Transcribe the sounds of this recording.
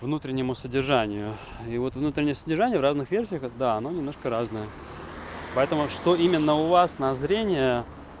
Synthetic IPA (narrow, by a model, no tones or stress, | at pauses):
vnut̪ɾʲɪnʲːɪmʊsədʲɪrʐanʲɪjʊ | ivo̞t̪vnut̪ɾʲɪnʲɪjəsədʲɪrʐanʲɪjəvraznɨxvʲersʲɪjəxd̪aɐno̞nʲɪmnoʂkəɾaznəjə | pɐɛt̪əmʊʂt̪o̞imʲɪnːəʊvasnɐzɾʲenʲɪjə